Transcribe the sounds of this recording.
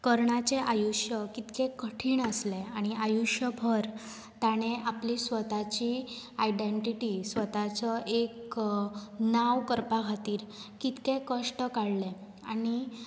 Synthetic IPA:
kəɾɳat͡ɕeʔajuɕjəkit̪kekəʈʰiːɳəsleaɽ̃iajuɕjəbʱəɾ | t̪aɽ̃eʔaplisʋət̪at͡ɕiajɖeɳʈiʈisʋət̪at͡səʔek | naʋkəɾpaɡʱat̪iːɾkit̪kẽkəʂʈəkaɽle | aɽ̃i

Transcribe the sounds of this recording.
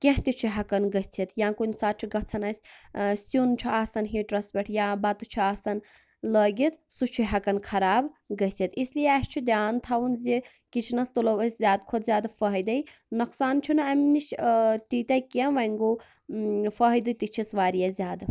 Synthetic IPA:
kʲẽɦt̪it͡ʃʰuɦɐkɐnɡɐɦt͡sʰit̪jãːkunʲsaːtt͡ʃʰiɡɐt͡sʰɐnasʲsjunt͡ʃʰuaːsɐnɦiʈɾɐspʲeʈʰjãbat̪ut͡ʃʰuaːsɐn | ləɡit̪sut͡ʃʰuɦɐkɐnkʰɐɾaːbɡɐɦt͡sʰit̪islijeast͡ʃʰid̪ʲjaːnt̪ʰawunze | kit͡ʃʰnɐst̪ulɐwɐsʲzʲjaːd̪kʰod̪zʲjaːd̪afɐɦəjd̪ɐjnɐksaːnt͡ʃʰunɐmnit͡ʃt̪it̪ajkẽʋɐŋɡo | fəɦəjd̪ɨt̪it͡ʃʰisʋaːɾijɐzʲjaːd̪

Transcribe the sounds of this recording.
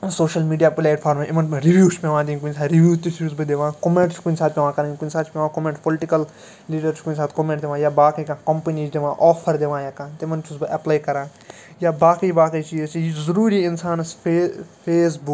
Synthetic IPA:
soːʃəlmiːɖijaːplaːʈpʰaːɾmẽʔɪmɐnɾiʋjuːt͡ʃpeʋãːd̪ĩːkuʊnsaːɾiʋjuːt̪ɪsusbɨd̪eʋãːkomẽɳʈt͡ʃʰkʊnsaːt̪̚pʲeʋãːkɐɾə̃kʊnsaːt͡ʃʰpʲeʋãːkomẽːɳʈpɔlɪʈɪkəl | liːɖəɾt͡ʃʰkʊnʲsaːt̪komẽːʈd̪eːʋãːjaːbaːkəjkãːkɐmpəniːd͡ʒd̪eʋãːʔɔːpʰəɾd̪eːʋãːjaːkãːt̪ɪmɐnt͡ʃusbɨʔɐplaːikɐɾãː | jaːbaːkəibaːkəːt͡ʃiːt͡ʃjizɐɾuːɾiːɪnsaːnsepʰeːs̬bʊk

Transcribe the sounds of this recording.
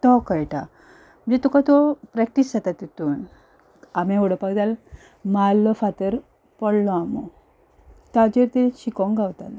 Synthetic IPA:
t̪ɔkajʈa | m̤ə̃nd͡zet̪ukat̪opɾɛk̚ʈiszat̪at̪it̪uːn | amẽoɽəpaɡd̪al | malːɔfat̪əɾ | pəɽlɔamo | t̪ad͡ʑeɾt̪eɕikɔŋɡawt̪ana

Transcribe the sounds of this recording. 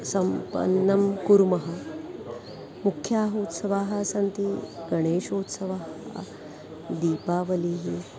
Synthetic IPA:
sɐmpɐ̰nːɐmkuɾmɐɦɐ | mukʰjaːɦoːt̪sɐʋaːɦɐsɐnt̪iɡɐɽ̃eːʃoːt̪sɐʋaːɦ | d̪iːpaːʋɐliːɦi

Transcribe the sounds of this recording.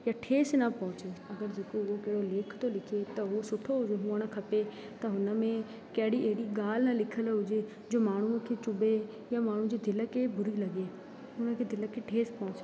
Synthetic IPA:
jaʈʰeːsnɐpɐ̃ɦʊ̃t͡ɕeɐɡəɾd͡ʑeːkoʊokɛɦɽoleːkʰt̪olɪkʰet̪ɐɦusʊʈʰoɦʊd͡ʒeɦʊəɽ̃əkʰɐpe | t̪ɐɦʊnə̆mẽ | kɐɦɪɽiʔeɦɪɽiɡaːlnɐlɪkʰəlɦʊd͡ʒe | d͡ʑoːmaːɽ̤̃ukʰeːt͡ɕʊbe | jamaːɳ̤ũd͡ʑid̪ʱɪləkebʱʊɾilɐɡe | ʊnəkʰeːd̪ʱɪləkʰeʈʰeːspɐɦʊ̃t͡ʃ

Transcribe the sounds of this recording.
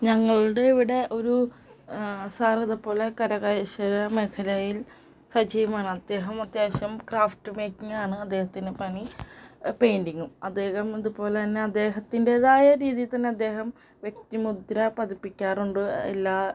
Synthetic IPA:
ɲɐŋːɐɭuɽeiʋiɽe̞ʔo̞ɾu | saːrɐðupo̞ːlekɐɾɐɣɐjɕɐɾɐme̞kʰɐlɐjil | sɐd͡ʑiːʋɐmaːɳɨɐd̪ːe̞ːɦɐmɐt̪jeːɕɐmkraːfʈːɨmeːkːiŋaːɳɨɐd̪ːe̞ːhɐt̪ːindepɐɳi | pejndiŋːumɐd̪ːe̞ːhɐmiðupo̞ːle̞t̪ɐnːeɐd̪ːe̞ːɦɐt̪ːindeðaːjɐɾiːðijit̪ɐnːe̞ɐd̪ːe̞ːɦɐm | ʋje̞k̚t̪imud̪ɾɐpɐðipːikʲːaːruɳɖɨḛlːaː

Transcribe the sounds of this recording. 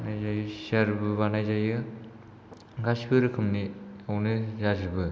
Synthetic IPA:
najzajɯsiaɾbɯbanajzajɯ | ɡasbʰɯɾɯkʰɯmniawnɯzadibɯ

